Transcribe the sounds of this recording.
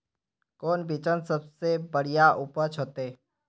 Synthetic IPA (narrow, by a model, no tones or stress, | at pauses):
koːnbʱɪt͡ʃənsəbsebəɽijaʔʊpət͡ʃʰoːt̪eː